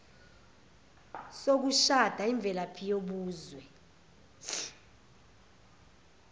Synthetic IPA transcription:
sok̬uʃad̥ʱaiɱb̪vʱɛlapʰijoɓuːzwɛ

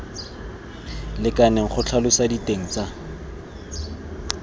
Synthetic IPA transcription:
lɪkanɛŋ̩χʊt͡ɬʰalʊsaditʼeŋ̩t͡sa

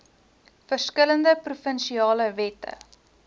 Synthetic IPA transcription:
fərskələndəprufənʃiɑːləvɛtə̰

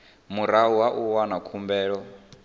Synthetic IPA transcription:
muɾauwaʔuwanakʰumbɛːɺɔ

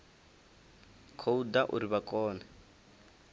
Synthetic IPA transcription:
kʰoudaʔṵɾiβakʼɔːna

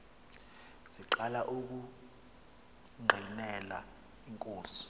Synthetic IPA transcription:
ziǃalaʔuk̬u | ŋ͡ǃʱinɛla̰ | iŋkʼoːsu̥

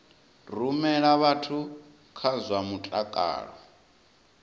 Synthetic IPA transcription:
rumɛɺaβatʰu | kʰazʷwamutʼakʼa̰ːɺɔ

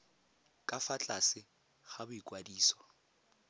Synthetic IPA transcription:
kʼafat͡ɬʼasɪ | χabʊikʼwadiːswɔ

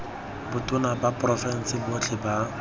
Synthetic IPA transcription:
bʊtʼʊnabapʼrɔfɛn̩sɪbʊt͡ɬʰɪba

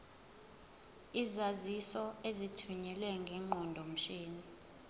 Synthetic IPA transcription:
izazisɔezitʰuɲɛlwɛŋɡʱɛŋ͡ǃɔndʱɔm̩ʃeːni

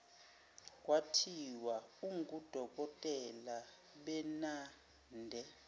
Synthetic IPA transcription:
k̬ʼwatʰiwauŋkʼud̥ʱɔk̬ʼɔtʼɛla | ɓɛna | ndʱɛ

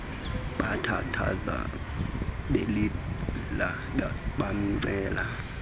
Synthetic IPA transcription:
ɓatʰatʰa̰za̰ | ɓelila | ɓam̩ŋ͡ǀɛːla

